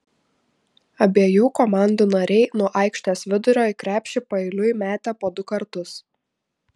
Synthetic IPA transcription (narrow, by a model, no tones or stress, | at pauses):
ɐbʲeːjuːkɔmɑˑnd̪uːnɐɾʲɛɪnuɔʔɐˑɪkʃʲt̪ʲeːsʋʲɪd̪ʊɾʲoːɪkɾʲæːpʲʃʲɪpɐɛɪlʲʊɪmʲæːt̪ʲæːpoːd̪ʊkɐɾt̪ʊs